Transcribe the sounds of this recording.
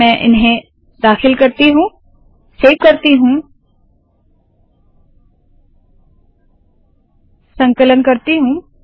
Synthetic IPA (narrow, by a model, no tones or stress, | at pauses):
ɛ̃ːʔɪ̰nɦẽ | d̪aːxɪlkɐɾt̪iɦũː | seːʋkəɾt̪iɦũː | sə̃ŋkələnkɐɾt̪iɦũː